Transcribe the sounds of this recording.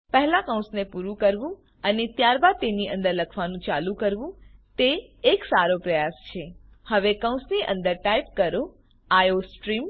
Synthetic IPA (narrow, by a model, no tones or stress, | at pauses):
pəɦlakəw̃snepuɾũkəɾʋũ | ənet̪jaɾbad̪̚t̪eniʔə̃nd̪əɾləkʰʋanũt͡ʃalũkəɾʋũt̪eːksaɾopɾəjast͡ʃʰe | həʋekəw̃sniʔə̰̃nd̪əɾʈaip̚kəɾo | ajosʈɾim